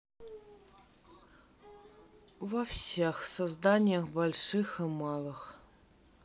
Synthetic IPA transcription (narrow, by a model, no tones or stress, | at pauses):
vɐfsʲɛxsazd̪anʲjɐxbɐlʲʂɨxɨmalˠɨx